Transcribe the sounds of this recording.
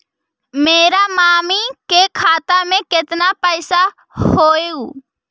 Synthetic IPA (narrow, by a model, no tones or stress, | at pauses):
meːɾamaːmikekʰaːt̪amẽkɪt̪napəɪsa | hoːeuː